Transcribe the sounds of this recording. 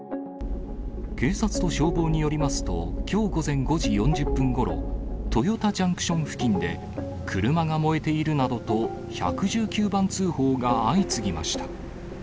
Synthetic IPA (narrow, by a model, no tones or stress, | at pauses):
ke̞ːsat͡sɨ̥t̪o̞ɕo̞ːbo̞ːɲ̟ijo̞ɾʲimasɨ̥t̪o̞̰kʲʰo̞ːɡo̞zẽ̞ŋɡo̞ʑijõ̞ɲ̟d͡ʑɨpːɯ̟̃ŋɡo̞ɾo̞̰t̪o̞jo̞t̪ad͡ʑãŋkɯ̟̥ɕõ̞ŋ̃ɸɯ̟̥kʲĩnd̪e̞ | kʰɯ̟ɾɯ̟maɡamo̞e̞t̪e̞iɾɯ̟nad̪o̞t̪o̞ | ça̰kɯ̟ʑɨːkʲɨːbãnt͡sɨːho̞ːɡaːit͡sɨɡʲima̰ɕi̥t̪ḁ